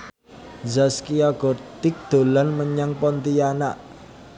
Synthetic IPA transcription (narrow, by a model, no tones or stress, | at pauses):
zaskiaɡ̥ɔ̤rt̪ɪk̚d̪̥o̤lanməɲaŋpɔnt̪ijanaʔ